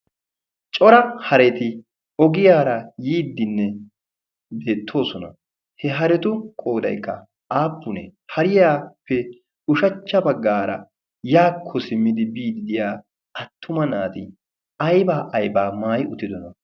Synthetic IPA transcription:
t͡ʃʼɔɾɐhɐɾɛt̪ɪ | ɔɡɪjaːɾɐjiːd̪ːɪnːɛ | d̪eːt̪ʰːo̞ːsɔnɐ̰ | hɛɦɐɾɛt̪ʊkʼo̞ːd̪ɐ̰jkːɐ | aːpːʊnɛ̰hɐɾɪjaːpːɛ | ʊʃɐt͡ʃːɐbɐɡːaːɾɐ̰ | jaːkʰːɔsɪmːɪd̪ɪbiːd̪ɪd̪ɪjaː | ɐt̪ːʊmɐnaːt̪ɪ | ɐjbaːʔɐjbaːmaːjʊt̪ːɪd̪ɔnɐ

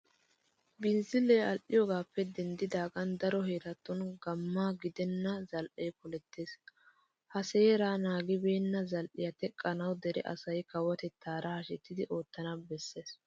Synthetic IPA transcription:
bɪnzɪlːeːɐlʔɪjɔɡaːpːɛd̪ɛnd̪ɪd̪aːɡɐnd̪ɐɾɔhe̞ːt̪ɐt̪ːɔnɡɐmːaːɡɪd̪ɛnːɐzɐlʔejpɔlɛt̪ːe̞ːs | hɐse̞ːɾaːnaːɡɪbe̞ːnːɐzɐlʔɪjɐt̪ɛkʼːɐnɐwd̪ɛɾɛ̰ʔɐ̰sɐjkɐwːɐt̪ɛt̪ʰːaːɾɐhɐʃɛt̪ːɪd̪ɪʔo̞ːt̪ːɐnɐbɛsːe̞ːs

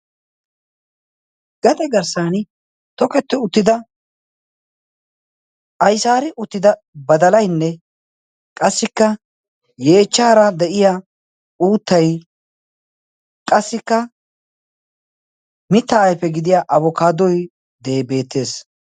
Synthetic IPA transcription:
ɡ̥ɐt̪ʼɛɡɐɾsaːnɪ | t̪ɔkɛt̪ːɪʊt̪ːɪd̪ɐ | ʔɐjsaːɾɪʔʊt̪ːɪd̪ɐ | bɐd̪ɐlɐjnːɛ | kʼɐsːɪkːɐ | je̞ːt͡ʃːaːɾɐd̪ɛʔɪja | uːt̪ːɐj | kʼɐsːɪkːɐ | mɪt̪ːɐːjpːɛɡɪd̪ɪjaːʔɐβɔkaːd̪ɔj | d̪ebe̞ːt̪ːe̞ːs

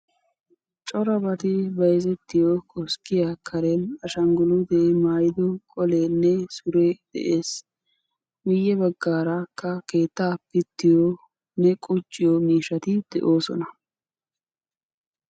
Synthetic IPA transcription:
t͡ʃʼɔɾɐbɐt̪ɪbɐjzɛt̪ːɪjɔkʼɔskːɪjakʰɐɾɛnɐʃɐŋɡʊlʊd̪ɛmaːjɪd̪ɔkʼɔlenːɛsʊɾɛd̪̥ɛ̰ʔeːs | mɪjːɛbɐɡːaːɾakːɐke̞ːt̪ːaːpːɪt̪ːɪjɔ | nɛkʼʊt͡ʃʼːɪjɔmiːʃɐt̪ɪd̪̥ɛ̰ʔo̞ːsɔ̰nɐ

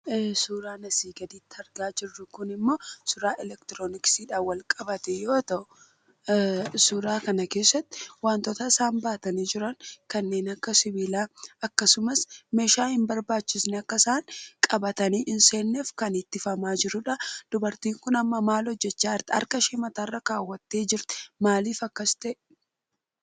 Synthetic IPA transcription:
suːɾaːnɐsiːɡɐd̪iːt̪ːɐɾɡaːd͡ʒɪrːʊkʊnɪmːoːsʊɾaːʔɛlɛkt̪ɪɾoːnɪksiːᶑaːwɐlkʼɐbɐt̪ɛjo̞ːt̪ɐʔʊ | sʊɾaːkɐnɐke̞ːsːɐt̪ːɪ̥waːnt̪ɔt̪ɐɪsaːmbaːt̪ɐniːd͡ʒɪɾɐŋkɐnːe̞ːnɐkːɐsɪbiːlaːɐkːɐsʊmɐsmeːʃaːhɪmbɐɾbaːt͡ʃːɪsnɛɐkːɐsaːŋkʼɐbɐt̪ɐniːʔɪnseːnːeːfkɐnɪt̪ːɪfɐmaːd͡ʒɪɾʊᶑɐd̪̥ʊbɐɾt̪iːŋkʊnɐmːɐmaːlhɔd͡ʒːɛt͡ʃːaːɐɾt̪ɐ̰ɾkɐʃɛmɐt̪ɐrːɐkaːwːɐt̪ːe̞ːd͡ʒɪɾt̪ɛ̥maːliːfɐkːɐst̪ɐʔɛ

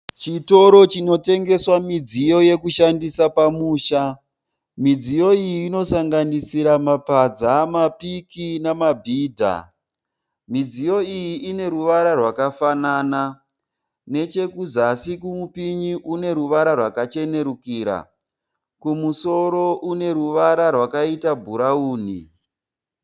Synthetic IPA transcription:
t͡ʃito̞ɾo̞t͡ʃino̞te̞ŋɡe̞swamid͡zijo̞je̞kuʃandisapamuːʃa | mid͡zijo̞ijiːno̞saŋɡanisiɾamapad͡zamapikinamabʱiːdʱa̰ | mid͡zijo̞ijiʔine̞ɾuʋaɾarwakafanaːna | ne̞t͡ʃe̞kuzasikumupiɲiʔune̞ɾuʋaɾarwakat͡ʃe̞ne̞ɾukiːɾa̰ | kumuso̞ɾo̞ʔune̞ɾuʋaɾarwakaitabʱuɾauːnḭ

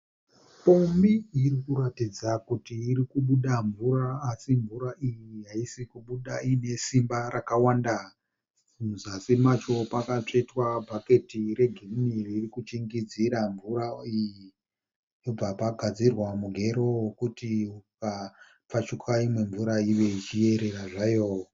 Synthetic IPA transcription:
pombiːɾikuɾatid͡zakutiːɾikuɓuɗaɱvuɾaːsiɱvuɾaʔijiɦaisikuɓuɗaine̞simbarakawanda | uuzasimat͡ʃo̞pakat͡ʂetwabʱake̞tire̞ɡʱemnirːrikut͡ʃiŋɡid͡ziɾaɱvuɾaiji | job͡vapaɡʱad͡zirwamuɡʱe̞ɾo̞kutiuka | p͡fat͡ʃukʰaimwe̞ɱvuɾaiʋe̞it͡ʃije̞ɾe̞ɾaʐajo

